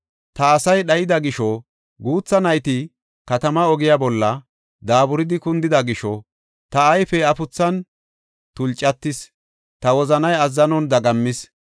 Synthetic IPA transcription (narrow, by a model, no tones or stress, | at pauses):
t̪ɐːsɐjɗɐjɪd̪ɐɡɪʃɔ | ɡuːt͡sːɐnɐjt̪ɪ | kɐt̪ɐmɐɔɡɪjabɔlːɐ | d̪aːbʊɾɪd̪ɪkʊnd̪ɪd̪ɐɡɪʃɔ | t̪ɐːjfɛɐfʊt͡sːɐn | t̪ʊlt͡ʃʼːɐt̪ːɪs | t̪ɐwɔzɐnɐjɐzːɐnɔnd̪ɐɡɐmːɪs